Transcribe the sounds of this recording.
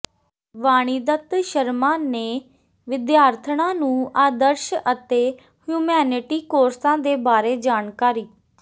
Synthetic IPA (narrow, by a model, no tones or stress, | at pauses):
ʋaːɽ̃iːd̪ət̪ʃəɾmãːneː | ʋɪd̪jaːɾt̪ʰɳãːnũːaːd̪əɾʃət̪eː | hjuːmɛːnɪʈiːkoːɾsãːd̪eːbaːɾeːd͡ʒaːnkaːɾiː